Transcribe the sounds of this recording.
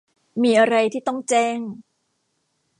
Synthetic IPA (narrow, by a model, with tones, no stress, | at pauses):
miː˧ʔa˧ɾa˧jt̪ʰiː˥˩t̪ɔ˥˩ŋt͡ɕɛː˥˩ŋ